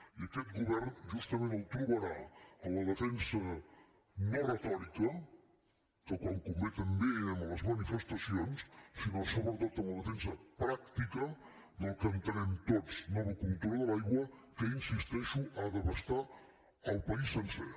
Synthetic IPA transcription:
iəkɛt̪̚ɡuβɛɾnʒust̪ɐmẽnəlˠt̪ɾuβəɾaələðəfɛnsə | nərət̪ɔɾikə | kəkwoŋkumet̪əmbeəmələzmanifəst̪ɐsionssinosoβəɾt̪ot̪ələðəfɛnsəpɾakt̪ikə | d̪əlˠkənt̪ənɛmt̪otsnɔβəkunt̪ɔlðəlajɣwəkəinsist̪ɛʃuəðəβɐst̪a | əlˠpɐisːənsḛ

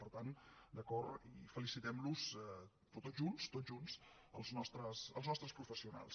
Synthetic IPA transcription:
pəɾt̪and̪əkɔɾifəlisit̪ɛmluzɛ | pt̪oʒunst̪od̪ʒuns | əlˠznɔst̪ɾəsəlˠznɔst̪ɾəspɾufəsiuna̰lˠs

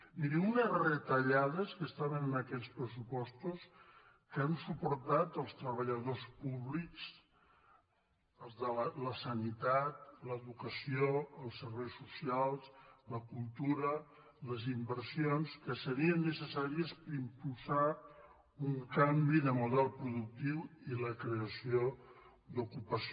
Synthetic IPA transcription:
miɾiunəzrət̪əʎaðəskəst̪aβənənəkɛspɾəsupɔst̪us | kəənsupuɾt̪at̪əlˠst̪ɾəβ̞əʎəðospuβliks | əlˠzðələləsənit̪at̪̚ləðukəsioəlˠsːəɾβɛjsːusialˠsləkulˠt̪uɾə | ləzimbərsionskəsəɾiənːəsəsaɾiəspəɾimpulˠsa | uŋkambiðəmuðɛlˠpɾuðuk̚t̪iwiləkɾeəsio | d̪ukupəs

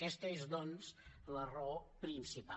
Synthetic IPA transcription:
ɛst̪əezd̪ɔnzlərɔpɾinsipa

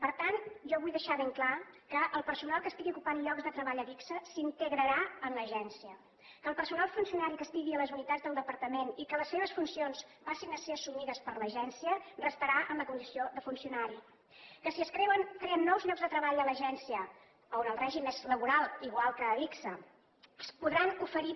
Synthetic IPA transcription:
pəɾt̪ant̪ʒɔβujðəʃaβeŋklakəʔəlˠpəɾsunalˠkəst̪iɣiukupanʎɔɡzðət̪ɾəβaʎəβiksəsint̪əɣɾəɾaənləʒɛnsiə | kəːlˠpəɾsunalˠfunsiunaɾikəst̪iɣiələzunit̪add͡zðəlˠd̪əpəɾt̪əmenikələsːeβ̞əsfunsionspasinəseəsumiðəspəɾləʒɛnsiərəst̪əɾaʔənləkund̪isioðəfunsiunaɾi | kəsiəskɾewənkɾeənːɔwzʎɔɡzðət̪ɾəβaʎələʒɛnsiə | əonəlˠrɛʒimezləβuɾalˠiɣ̞walˠkəːβiksə | spuðɾanufəɾi

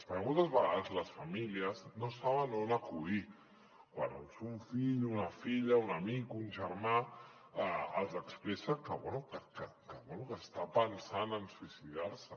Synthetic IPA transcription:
aspaɾɣunt̪əzβaɣaðəzlasfamiliəznosaβanonakui | kwa̰na̰nsuɱfiʎunafiʎaunamikunʒaɾmã | alzakspɾɛsakawɛnukakakaβɛnukast̪apansanansuisiðaɾsə

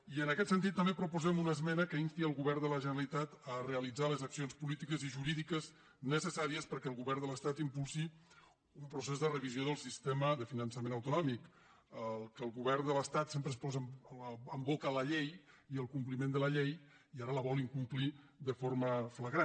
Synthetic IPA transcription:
iənəkɛt̪sənt̪̬it̪ːəmbepɾupuzɛmunəzmɛnəkəinst̪iəlˠɣuβɛrd̪ələʒənəɾəlit̪at̪əreəlid͡zaləzəksionspulit̪ikəziʒuɾiðikəz | nəsəsaɾiəspəɾkɛəlˠɣuβɛrnd̪ələst̪at̪impulˠsi | umpɾusezðərəβizioðəlˠsist̪eməðəfinənsəmẽnəwt̪unɔmik | əlˠkəlˠɣuβɛrnd̪ələst̪at̪sempɾəspɔzəəmbot̪ələʎej | iəlˠkumplimend̪ələʎej | iaɾələβɔliŋkumpliðəfoɾməfləɣɾa

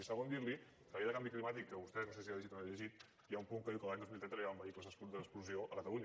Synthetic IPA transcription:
isaɣənd̪iɾli | t̪ɾəβejaðəkambiklimat̪ikːəβust̪ɛnəsɛsiaiʒit̪anəʎəʒit̪̚ | ijaumpuŋkəðiwkəlaɲd̪ozmilt̪ɛt̪ɾalbəikləzðəspd̪əspluzioʔəkət̪əluɲ

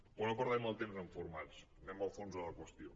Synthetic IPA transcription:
onopəɾðaməlˠt̪emzəɱfuɾmals | nɛməlˠfonzələkwəst̪io

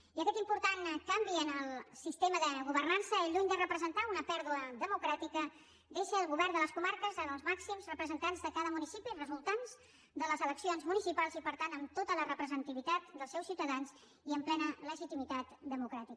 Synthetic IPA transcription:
iəkɛt̪impuɾt̪ankambiənəlˠsist̪eməðəɣuβərnansəeʎuɲd̪ərəpɾəzənt̪aunəpɛɾðuəðəmukɾat̪ikə | d̪eʃəːlˠɣuβɛrnd̪ələskumaɾkəzənəlˠzmaksimzrəpɾəzənt̪anzðəkaðəmunisipirəzulˠt̪anz̥ | d̪ələzələksionzmunisipalˠzipəɾt̪anəmt̪ot̪ələrəpɾəzənt̪iβit̪at̪d̪əlˠsɛwsiwt̪əðanz | iəmplɛnələʒit̪imit̪at̪d̪əmukɾat̪ikə

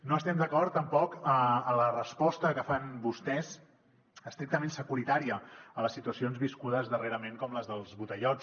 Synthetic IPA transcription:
noəst̪ɛmd̪əkɔɾt̪ːəmpɔkəələrəspɔst̪əkəfanbust̪ɛz | əst̪ɾik̚t̪əmensəkuɾit̪aɾiəələsːit̪uəsionzβiskuðəzðəreɾəmeŋkɔmləzðəlˠzβut̪əʎɔt͡s

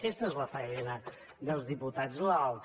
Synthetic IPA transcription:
kɛst̪əezlɐfəɛnə | d̪əlˠzðiput̪azlɐalt̪

